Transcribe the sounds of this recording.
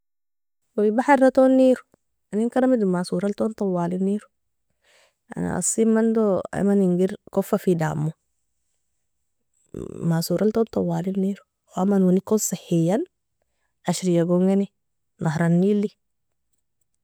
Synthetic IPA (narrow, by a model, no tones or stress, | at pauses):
waibaħaɾɾat̪onːiːɾu̥ | aninkaɾamid̪umasuːɾalt̪ont̪ɑwːaːlinːiːɾu̥ | ʔa̰na̰ʔa̰simːand̪oa̰maniŋɡiɾkofːafida̰ːmːu | masuːɾʔalt̪ont̪ˤɑwːaːlinːiːɾu | amːanwunikːonsahːijan | aʃɾijaɡoŋɡani | nʔahɾanːilːi